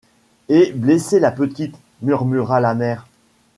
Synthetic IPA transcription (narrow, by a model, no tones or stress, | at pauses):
ebleselapət̪it̪ | myʁmyʁalamɛːʁ